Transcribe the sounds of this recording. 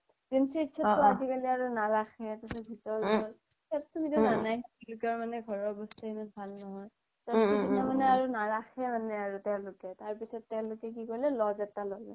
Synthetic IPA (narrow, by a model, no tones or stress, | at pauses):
kinsiitːʃʰɔtːɔazikaliaɹunaɹaxɛtasɔbʱitɔɹlɔt | sattubitɔnanajlʊkɔɹmanɛɡʱɔɹɔɹbɔstaimanbʱalnɔɦɔj | tatubinamanɛaɹunaɹaxɛmanɛaɹutɛʊ̃lʊkɛtaɹpisɔtːɛʊ̃lʊkɛk̬ikɔɹlɛlɔzɛtalɔɡɛ̰